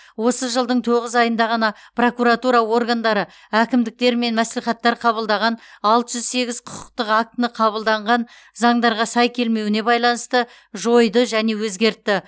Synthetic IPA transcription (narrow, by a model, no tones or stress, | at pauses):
wo̞səʒəlˠd̪əɴt̪ʰo̞ʁəzɑjənd̪ɑʁɑnɑ | pʰro̞kuɾat̪uɾɑwo̞rɡand̪ɑɾə | ækʲɪmd̪ɪk̚t̪e̞ɾme̞nmæsleχɑt̪ːɑɾqʰɑβəlˠd̪ɑʁɑnɑlˠt̪əʒʏzse̞ɡʲɪz̥qʰʊ̥qʰə̥q̚t̪əqak̚t̪ənəqʰɑβəlˠd̪ɑɴʁɑn | zɑŋd̪ɑɾʁɑsɑjkʲʰe̞lme̞wɪne̞bɑjlˠɑnəst̪ə | ʒo̞jd̪əʒæne̞wɵzɡʲe̞ɾt̪ːɪ